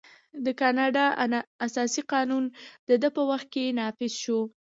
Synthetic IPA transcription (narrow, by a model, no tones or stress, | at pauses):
d̪əkɑnɑɖɑasɑsiqɑnund̪əd̪əpəwaxt̪̚kenɑfɪzʃo